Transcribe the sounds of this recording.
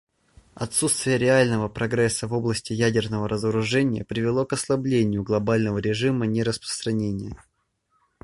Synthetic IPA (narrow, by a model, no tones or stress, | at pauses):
ɐt̪sut̪st̪vʲɪjəɾʲɪalʲnəvəpɾɐɡɾɛsːəvo̞blˠəsʲtʲɪjædʲɪrnəvəɾʔəzəɾʊʐɛnʲɪjə̰pɾʲɪvʲɪlˠo̞kɐslˠɐblʲenʲɪjʊɡlˠɐbalʲnəvəɾʲɪʐɨmənʲɪɾəspɾə̥st̪ɾɐnʲenʲɪjə